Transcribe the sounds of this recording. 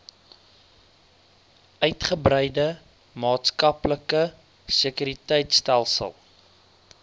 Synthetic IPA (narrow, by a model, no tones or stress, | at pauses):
œɥtχəbrəjdə | mɑːtskɐpləkə | səkyɾitəjtstælˠsə̰lˠ